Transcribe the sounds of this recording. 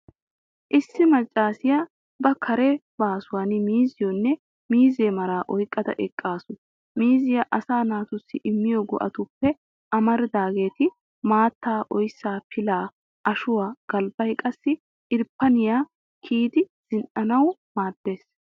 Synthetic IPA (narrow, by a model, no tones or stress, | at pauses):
ʔɪsːɪmɐt͡ʃʼːaːsɪja | bɐkʰɐɾɛbaːsʊwaːnɪmiːzɪjɔnːɛ | miːzeːmɐɾaːʔɔjkʼːɐd̪ɐ̰ʔɛkʼːaːsʊ | miːzɪjaʔɐsaːnaːt̪ʊsːɪʔɪmːɪjɔɡɔ̰ʔɐ̰t̪ʊpːɛ | ʔɐmɐɾɪd̪aːɡe̞ːt̪ɪ | maːt̪ːaːʔɔjsːaːpʰɪlaː | ʔɐʃʊwaːɡ̥ɐlbɐjkʼɐsːɪ | ʔɪɾpːɐnɪjaː | kʰiːd̪ɪz̥ɪnʔɐnɐwmaːd̪̥ːe̞ːs